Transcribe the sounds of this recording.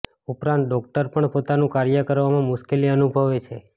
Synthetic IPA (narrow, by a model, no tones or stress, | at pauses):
upɾãnt̪̚ɖɔkʈəɾpəɳpot̪anũkaɾjəkəɾʋamãmʊʃkeliənubʱəʋet͡ʃʰe